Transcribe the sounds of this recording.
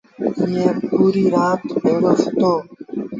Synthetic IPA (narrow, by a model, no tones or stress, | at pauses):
meːpuːɾiːɾaːt̪boːɾəst̪oː